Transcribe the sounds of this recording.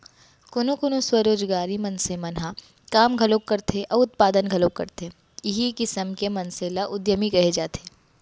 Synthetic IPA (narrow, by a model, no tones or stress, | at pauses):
kʊnukʊnuswɐɾoːd͡ʒɡaːɾimɐ̃nsemɐnɦa | kaːmɡʱɐlokːɐɾt̪ʰeʔɔʊt̪̚paːd̪ənɡʱɐlokːɐ̰ɾt̪eː | jɪɦikɪsəmkemɐnselaʔʊd̪jəmikɐɦed͡ʒaːt̪eː